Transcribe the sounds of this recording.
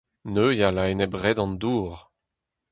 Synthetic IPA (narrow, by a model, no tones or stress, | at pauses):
nøjalaenɛbʁɛd̪ɑ̃nd̪uːʁ